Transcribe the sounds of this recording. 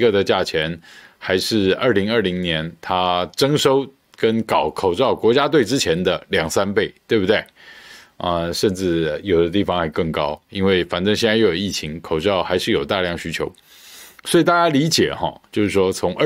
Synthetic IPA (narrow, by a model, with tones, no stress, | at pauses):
ə˨d̪ə˨t͡ɕja˥˩t͡ɕʰjɛ˧˥nxa˧˥ɪʂɻ̩˥˩ə˞˥˩li˧˥ŋə˞˥˩li˧˥ŋnjɛ˧˥nt̪ʰa˥ʈ͡ʂɤ˥ŋʂo˥ʊ | kə˥nkɑ˨˩ʊkʰo˨˩ʊʈ͡ʂɑ˥˩ʊkwɔ˧˥t͡ɕja˥t̪we˥˩ɪʈ͡ʂɻ̩˥t͡ɕʰjɛ˧˥nd̪ə˨ljɑ˨˩ŋsa˥npe˥˩ɪt̪we˥˧ɪbu˩t̪we˥˩ɪ | ə˧ʂə˥˧nʈ͡ʂɻ̩˥˩jo˨˩ʊd̪ə˦t̪i˥˩fɑ˧ŋxa˧˥ɪkɤ˥˩ŋkɑ˥ʊi˥nwe˥˩ɪfa˨˩nʈ͡ʂə˥˧ŋɕjɛ˥˧t͡sa˥˧jjo˨˩i˥˩t͡ɕʰi˧˥ŋkʰo˨˩ʊʈ͡ʂɑ˥˩ʊxa˧˥ɪʂɻ̩˥˩˨jo˨˩ʊt̪a˥˧ljɑ˥˩ŋɕy˥t͡ɕʰjo˧˥ʊ | swɔ˧˥i˨˩t̪a˥˩t͡ɕja˥li˧˥t͡ɕjɛ̰˨˩xɔ̰˧˩t͡ɕjo˥˧ʊʂɻ̩˥˩ʂwɔ˥t͡sʰʊ˧˥ŋʔə˥˧